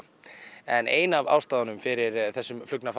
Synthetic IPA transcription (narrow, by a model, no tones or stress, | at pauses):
ɛneːjnava̰wst̪aːðanʏmfɪɾɪɾθɛsːʏmflʏknaf